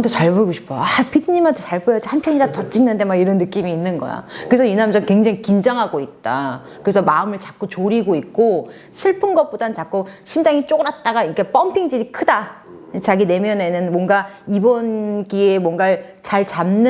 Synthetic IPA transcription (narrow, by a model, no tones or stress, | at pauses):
ntʰot͡ɕaɭboiɡoɕʰi̥p͈̚ʰoapid͡ʑiɲimantʰet͡ɕaɭbojʌad͡ʑihanpʰjʌɲiɾatʌt͡ɕ͈inːɯnde̞maɡiɾʌnːɯk͈imiːnːɯnɡʌ̰ja̰kɯesʰʌinamd͡ʑʌnkwe̞ŋd͡ʑaŋikind͡ʑaŋɦaɡoit̚t͈a | kɯɾesʰʌmaɯmɯɭt͡ɕak͈ot͡ɕoɾiɡoik̚k͈o | sʰɯɭpʰɯnɡʌp͈odanɯnt͡ɕak͈oɕʰimd͡ʑaŋit͡ɕ͈oɡɯɾat̚t͈aɡaiɾkʰap͈ʌmpʰiŋd͡ʑiɾikʰɯda | t͡ɕaɡine̞mjʌne̞nɯnmwʌnɡaibʌnkie̞mwʌŋɡat͡ɕaɭt͡ɕamnɯ